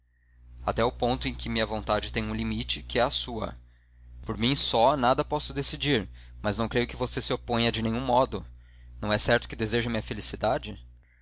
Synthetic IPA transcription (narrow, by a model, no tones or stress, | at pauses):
at̪ɛʊpõnt̪ʊẽj̃kɪmĩɲɐvõnt̪ad͡ʒɪt̪ẽj̃ũlimit͡ʃɪkɪɛɐsuɐ̰ | poɾmĩsɔnad̪ɐpɔsʊd̪esid͡ʒiɾmɐznɐ̃w̃kɾejʊkɪvosesɪopõɲɐd͡ʒɪnẽɲ̃ũmɔd̪ʊnɐ̃w̃ɛsɛɾt̪ʊ̥kɪd̪ezeʒɐmĩɐfelisid̪ad͡ʒɪ